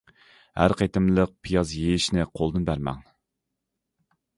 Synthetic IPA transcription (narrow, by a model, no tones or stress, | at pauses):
hæ̰ɾqʰɑjt̪ʰɨmlˠəq̚pʰijɑzjeɪʃnɪqʰolˠd̪ɨnbæɾmɛ̰ŋ